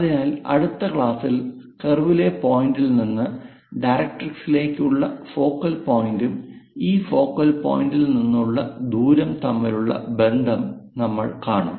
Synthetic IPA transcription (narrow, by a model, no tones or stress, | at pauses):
ɐðinaːlɐ̰ɽut̪ːɐkɭaːsilkerʋile̞po̞ːjindilninːɨ | ɖɐjɾɐk̚ʈriksile̞ːkːuɭːɐfo̞ːkːɐlpo̞ːjindumiːfo̞ːkːɐlpo̰ːjindilninːuɭːɐ̰d̪uːɾɐmt̪ɐmːɐɾuɭːɐ̰be̞nd̪ʱɐm | nɐmːɐ̰ɭkaːɳɐ̰ːm